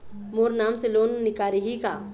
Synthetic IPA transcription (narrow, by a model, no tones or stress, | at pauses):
moːɾnaːmseloːnːɪkaːɾiɦikaː